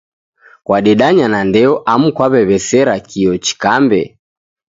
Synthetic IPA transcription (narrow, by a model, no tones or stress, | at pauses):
kwaɗɛɗaɲanandɛɔʔamukwaβɛβɛsɛɾakiɔt͡ʃi̥kambɛ